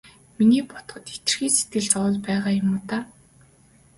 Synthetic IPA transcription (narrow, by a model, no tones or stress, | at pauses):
miniːpɔt̪ɞ̆χɞ̆t̪et̪ɘ̆rxiːset̪̚ɡɘ̆ɮt͡sɔwɮpæːʁaːjʊmʊːt̪aː